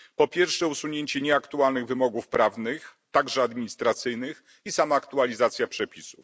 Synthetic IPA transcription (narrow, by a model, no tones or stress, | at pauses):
pɔpʲjɛɾfʂɛusuɲeɲt͡ɕɛɲɛakt̪ualnɘɣvɘmɔɡufpɾavnɘxt̪aɡʐɛad̪mʲiɲist̪ɾat̪sɘjnɘx | isamaːkt̪ualʲizat̪sʲjapʂɛpʲisuf